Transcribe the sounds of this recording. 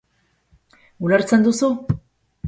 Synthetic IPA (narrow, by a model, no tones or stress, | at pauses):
ulaɾt͡se̞nd̪usu